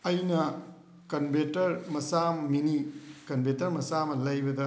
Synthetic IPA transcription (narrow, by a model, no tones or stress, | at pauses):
ɐjnɐ | kɐnbetɐɾmɐsamminikɐnbetɐɾmɐsamɐlɐjbɐdɐ